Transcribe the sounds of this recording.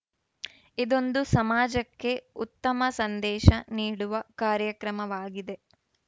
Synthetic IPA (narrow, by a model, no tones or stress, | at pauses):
id̪o̞nd̪usɐmaːd͡ʒɐkːe̞ut̪ːɐmɐsɐnd̪ɛːʃɐniːɽuʋɐkaːɾjɐkɾɐmɐʋaːɡid̪e